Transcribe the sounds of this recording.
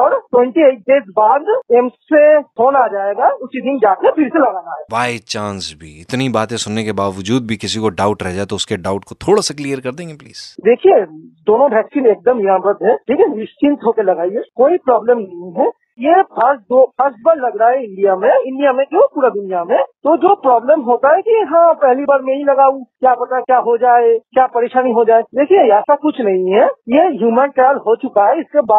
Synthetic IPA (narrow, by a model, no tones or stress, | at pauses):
ɔːɾʈwɛ̃ɳʈieːɪʈ̚ɖ̪eːzbaːd̪eːmssehʰoːnad͡ʒaːeɡaʊsid̪ɪnd͡ʒaːkepʰɪɾselɐɡaːnaːɛːbaːjt͡ʃãːnsbʱiɪt̪nibaːt̪ẽsʊnːekebaːʋəd͡ʒuːd̪̚bʱikɪsikoɖaːʊʈɾɛɦd͡ʒaːet̪oʊskeɖaːʊʈkot̪ʰoːɽasaklijəɾkɐɾd̪ẽːŋɡeplḭːz̥d̪eːkʰijed̪oːnõbʱɛːksiːneːk̚d̪əmɦɪɾãːmɾət̪ɦɛʈʰiːkɛʋɛksiːnt̪ʰɦoːkelɐɡaːiekoːipɾaːbleːmnɐɦĩɦɛ | jepʰɐɾsd̪opʰəsʈ̚bəɾlɐɡɾaːeɪ̃ɳɖijamẽɪ̃ɳɖijamẽkeɦopuːɾad̪ʊnijamẽt̪od͡ʒoːpɾɔːbleːmɦoːt̪aɦɛkiɦãpɛɦlibaːɾmẽɦĩlɐɡaːũkjaːbɐt̪akjaːɦod͡ʒaːekjaːpɐɾeːʃaːniɦod͡ʒaːed̪eːkʰieɛːsakʊt͡ʃʰnɐɦĩɦɛjeɦjuːmənʈɛːlɦot͡ʃʊkaɦɛɪskebaːd̪